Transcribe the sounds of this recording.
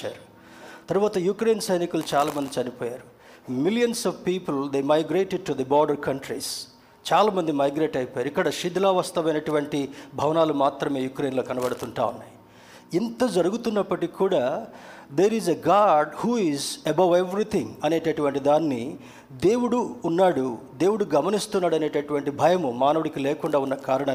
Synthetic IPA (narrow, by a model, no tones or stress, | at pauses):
t͡ʃa̰ːɾu | t̪ɐɾʋaːt̪ɐjukɾe̞ːnsɐjnikulut͡ʃaːlaːmɐnd̪it͡ʃɐnipɔːjaːɾu | miljɐnsɐʋpiːpuld̪eːmɐjɡɾeːʈeɖ̚ʈud̪ɐbɔːɾɖɐɾkɐɳʈɾis | t͡ʃaːlaːmɐnd̪imɐjɡɾeːʈɐjpɔːjaːɾuikːɐɽɐʃid̪laːʋɐst̪ɐʋɐjnɐʈuʋɐɳʈibʱɐʋɐnaːlumaːt̪ɾɐme̞ːjukɾe̞ːnloːkɐnɐbɐɽut̪uɳʈa̰ːʋɐnːaːj | int̪ɐd͡ʒɐɾuɡut̪unːɐpːɐʈikʰːuːɽaːd̪eːɾizeɡaːɾɖhuːizɐbɐweʋɾit̪ʰiŋɐne̞ːʈɐʈuʋɐɳʈid̪aːnːi | d̪e̞ːwuɽuːnːaːɽud̪e̞ːwuɽuɡɐmɐnist̪unːaːɽɐne̞ːʈɐʈuʋɐɳʈibʱɐjɐmumaːnɐʋuɽikileːkuɳɖaːunːɐkaːɾɐɳɐ